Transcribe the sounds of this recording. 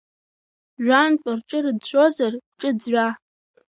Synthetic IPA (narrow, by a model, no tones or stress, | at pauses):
ʒᶣʷantʷʼarʈ͡ʂʼɨrɨdʃʷozarʷʈ͡ʂʼɨd͡zɥʷa